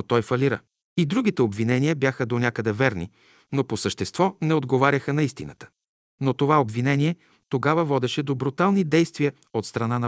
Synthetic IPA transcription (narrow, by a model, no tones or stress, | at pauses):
t̪ɔjfɐliɾə̰ | id̪ɾuɡ̟it̪ɛobvinɛniəbjaxəd̪onʲakəd̪ɛvɛɾnḭ | noposəʃt̪ɛst̪v̥ɔnɛod̪ɡovaɾʲəxənɐist̪inə̰t̪ə̥ | not̪ovaobvinɛniɛ | t̪oɡavəvɔd̪ɛʃɛd̪obɾut̪alˠnid̪ɛjst̪viə | ot̪st̪ɾɐnanɐ